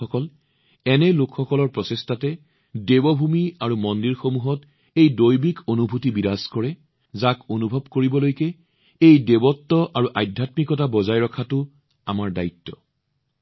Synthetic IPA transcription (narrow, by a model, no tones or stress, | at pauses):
ɔkɔl | ɛnɛlokxɔkɔlɔɹpɹɔsestatɛ | debɔbʱumiaɹumɔndiɹxomuɦɔt | ejdojbikonubʱutibidaskɔɹɛ | zakonubʱɔbkoɹibɔlojkɛ | ejdebɔtːɔʔaɹuʔajdʱatmikɔtabɔzajɹɔkʰatʊ | amaɹdaitːɔ